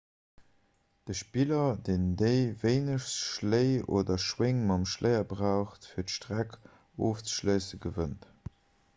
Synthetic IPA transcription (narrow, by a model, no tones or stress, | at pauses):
d̥əʃpiːlɐdeːndeɪveɪnəʃsʃləɪo̰ːdɐʃweŋmɑmʃləɪɐbʁaʊχtfiːɐtʃtʁæk | oːft͡sə̥ʃləɪsəɡəvənt